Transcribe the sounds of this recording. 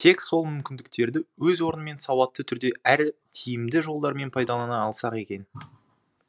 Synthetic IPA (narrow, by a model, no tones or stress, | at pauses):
t̪ʰe̞kso̞lˠmʏmkʲɪnd̪ɪk̚t̪e̞ɾd̪ɪwɵzwo̞ɾənəme̞nsɑwɑt̪ːət̪ʰʏɾd̪e̞ʔæɾt̪ʰijɪmd̪ɪʒo̞lˠd̪ɑɾme̞npʰɑjd̪ɑlˠɑnɑːlˠsɑqe̞kʲe̞n